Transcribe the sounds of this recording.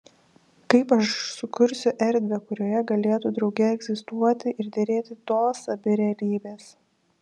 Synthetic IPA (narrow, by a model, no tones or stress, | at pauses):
kɐɪpɐʃsʊkʊɾʲsʲʊʔɛɾʲd̪ʲʋʲekʊɾʲoːjɛɡɐlʲeːt̪ud̪ɾɒʊɡʲɛɛɡzʲɪst̪uɔt̪ʲɪʔɪɾd̪ʲɛɾʲeːt̪ʲɪt̪oːsɐbʲɪɾʲɛɐlʲiːbʲeːs